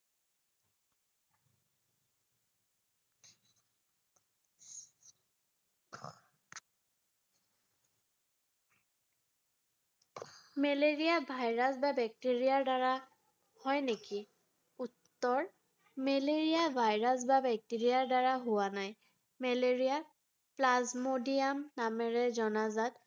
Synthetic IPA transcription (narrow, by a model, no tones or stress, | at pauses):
mɛleɹijabʱajɹasbabɛk̚teɹijaɹdaɹa | hɔjneki | utːɔɹ | mɛleɹijabʱajɹas̬babɛk̚tiɹiaɹdaɹaɦʊwanaj | mɛleɹija | plazmodiamnamɛɹɛzɔnazat